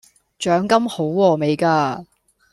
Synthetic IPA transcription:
t͡ʃœː˨˥ŋkɐ˥mho˨˥wːɔː˧me˨˧jkaː˧

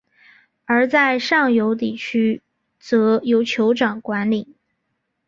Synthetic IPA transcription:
ə˞˧˥t͡sa˥˧ɪʂɑ˥˩ŋjo˧˥ʊt̪̬i˥˨˩t͡ɕʰy˥ | t͡sɤ˧˥jo˧˥ʊt͡ɕʰjo˧˥ʊʈ͡ʂɑ˨˩ŋkwa˧˥nli˨˩˦

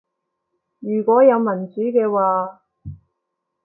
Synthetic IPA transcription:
jyː˨˩kɔː˨˥jɐ˨˧wmɐ˨˩nt͡syː˨˥kɛː˧waː˨˧

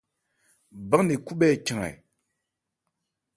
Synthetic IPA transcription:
ba˦ŋne˨ku˦ɓɛ˦˨t͡ʃa˨ŋa̰˨j

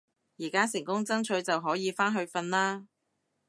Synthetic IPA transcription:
jiː˨˩kaː˥s̬ɪ˨˩ŋkʊ˥ŋt͡sɐ˥ŋt͡ʃʰɵ˨˥ɥt͡sɐ˨wɦɔː˨˥jiː˨˧faː˥nɦɵ˧ɥfɐ˧nlaː˥

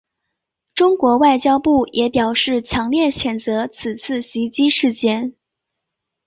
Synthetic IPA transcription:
ʈ͡ʂʊ˥ŋkwɔ˧˥wa˥˩ɪt͡ɕjɑ˥ʊpu˥˩jʔɛ˧˥pjɑ˨˩ʊʂɻ̩˥˩t͡ɕʰjɑ˧˥ŋljɛ˥˩nɕʰjɛ˨˩nt͡sɤ˧˥t͡s̩ʰ˨˩t͡sʰɹ̩˥˩ɕi˧˥t͡ɕi˥ʂɻ̩˥˧t͡ɕjɛ˥˩n

